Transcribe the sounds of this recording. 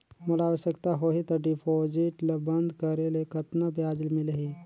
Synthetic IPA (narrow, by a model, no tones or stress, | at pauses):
məlaaːʋəɕəkt̪aɦoɦit̪əɾɖipʰod͡ʑiʈləbənd̪kəɾelekət̪nəbʱjad͡ʒlmiləɦi